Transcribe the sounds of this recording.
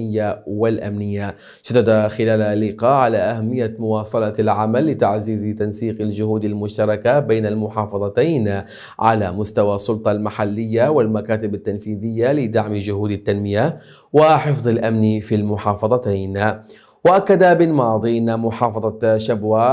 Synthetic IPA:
ɪjːawalʔamnɪjːa | ʃad̪ːad̪axɪlaːllːɪqɑːʔʕalaʔahamːɪjːamʊwɑːsˤɑlɑlʕamalːɪt̪aʕziːzt̪ansiːqald͡ʒʊhuːd̪almʊʃt̪ɑɾˤɑkabajnalmʊħɑːfɑðˤɑt̪aːn | ʕa̰la̰mʊst̪awasˤːʊlt̪ˤɑlmaħalːɪjːawɪlmakaːt̪ɪbat̪ːanfiːðɪjːalɪd̪aʕmd͡ʒʊɦuːd̪at̪ːanmɪja | waħɪfðˤɪlʔamnifilmʊħɑːfɑðˤɑt̪aːn | waʔakːad̪abɪlmɑːðˤiʔɪnːamʊħɑːfɑðˤɑʃabwaː

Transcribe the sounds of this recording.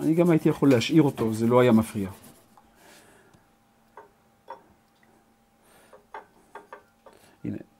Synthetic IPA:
aniɡamait̪ijaχo̞lːeaʃʔiʁo̞t̪o̞zelo̞ajamafʁia | ʔḭnḛ

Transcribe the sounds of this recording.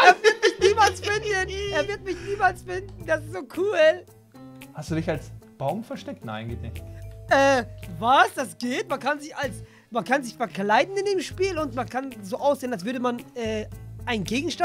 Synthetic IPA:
ʔeːɐvɪɐtmɪçniːmalsfɪndəneːɐvɪɐtmɪçniːmalsfɪndn̩d̥asɪstz̥oːkʰuːl | hastd̥uːdɪçalsb̥aʊmfɛɐʃtɛk̚tna̰ɪnɡeːtnɪçtʔɛːvasd̥asɡ̥eːtmankʰanzɪçals | mankʰanzɪçfɛɐklaɪdn̩ɪndeːmʃpiːlʊntmankʰanzoːʔaʊsz̥eːnalsv̥ʏɐdəmanɛːʔaɪnənɡeːɡŋ̩ʃta

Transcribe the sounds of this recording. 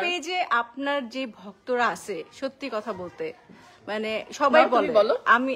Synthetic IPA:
pejd͡ʑeʔapnaɾd͡ʑebʱɔkt̪oɾaaʃʰeʃot̪ːikɔt̪ʰabolt̪e | maneʃɔbajbolebɔloami

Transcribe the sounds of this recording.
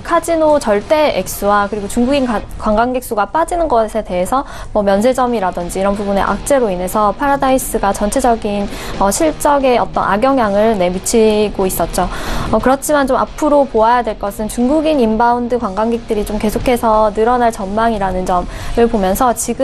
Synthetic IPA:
kʰad͡ʑinot͡ɕʌɭt͈e̞ek̚s͈uwakɯɾiɡot͡ɕuŋɡuɡinakwaŋɡaŋɡek̚s͈uɡap͈ad͡ʑinɯnɡʌsʰe̞te̞ɦesʰʌ | mʌmjʌnsʰe̞d͡ʑʌmiɾadʌnd͡ʑiːɾʌnpubune̞̰ʔa̰k̚t͡ɕ͈e̞ɾoine̞sʰʌpʰaɾadais͈ɯɡat͡ɕʌnt͡ɕʰe̞d͡ʑʌɡin | ʌɕʰiɭt͡ɕ͈ʌɡe̞ʌt͈ʌ̰nʔa̰ɡjʌŋjaŋɯɭne̞mit͡ɕʰiɡois͈ʌt̚t͡ɕ͈oʌkɯɾʌt͡ɕʰimant͡ɕoma̰pʰɯɾopoajadwe̞ɭk͈ʌsʰɯnt͡ɕuŋɡuɡinimbaundɯkwaŋɡaŋɡek̚t͈ɯɾit͡ɕomke̞sʰokʰe̞sʰʌnɯɾʌnaɭt͡ɕʌnmaŋiɾanɯnd͡ʑʌmɯɭpomjʌnsʰʌt͡ɕiɡɯ

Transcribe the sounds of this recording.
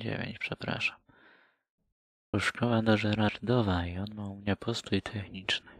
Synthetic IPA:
d͡ʑḛvʲjḛɲt͡ɕpʂɛpɾa̰ʂam | uʂkɔwad̪ɔʐɛɾaɾd̪ɔvaiɔnmaumɲapʰɔst̪ujt̪ʰɛxɲit͡ʂnɘ

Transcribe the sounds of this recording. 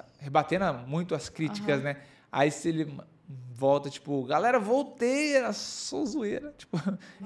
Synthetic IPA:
hebat̪ẽnɐmũj̃t̪ʊɐskɾit͡ʃi̥kɐznɛ | a̰isɪelɪ | vɔwt̪ɐt͡ʃi̥pʊɡalɛɾɐvowt̪ejɐsozueɾɐt͡ʃi̥pʊ

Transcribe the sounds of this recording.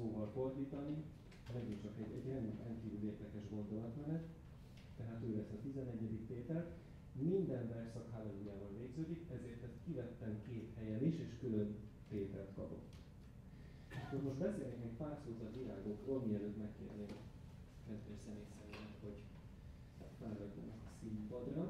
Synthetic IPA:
soːvɒlfo̞rd̪iːt̪ɒni | mɛɡint͡ʃɒkɛɟɛɟrɛnrɛŋkiːvyleːrd̪ɛkɛʒɡo̞nd̪o̞lɒt̪mɛnɛt̪ː | ɛɦaːt̪øːvɛsɒt̪izɛnɛɟːɛd̪ikpeːt̪ɛlt̪ | mind̪ɛnvɛrʃsɒkɦaːlɒnujaːbɒnveːɡzøːd̪ikɛzeːrt̪ːɛst̪kivɛt̪ːɛmkeːt̪hɛjɛniʃeːʃkylø̞n | peːt̪ɛ̰lt̪kɒ̰po̞̰t̪ː | ɒkːormo̞ʃt̪bɛseːlneːkmeːkpaːrsoːzɒt̪ʋila̰ːɡo̞krolmiɛløːt̪mɛkːḛːrd̪eːm | ɛnt̪esɛmeːsɛmelɛt̪ho̞ɟ | fɛlɦɒɟːo̰nɛkɒsimpɒd̪rɒ

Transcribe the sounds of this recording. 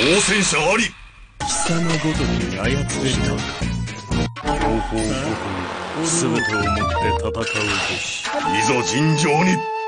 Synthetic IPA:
oːsẽ̞ɰ̃ɕaaɾʲi | ɕi̥sanoɡo̞t̪okiajat͡sɨbeɾɯjokḁ | ɾoːkoːokɯnisɨbet̪eːmot̪ːe̞t̪ʰat̪akaɯt̪o | mʲizo̞d͡ʑĩɲd͡ʑo̞ːɲ̟i

